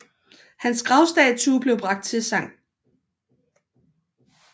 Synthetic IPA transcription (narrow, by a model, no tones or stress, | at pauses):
hænsɡ̥ʁɑ̈ʊsd̥ɛt͡sʰub̥le̝ʊb̥ʁɑ̈ɡ̥d̥̚t͡sʰe̝sɑ̈ŋ̰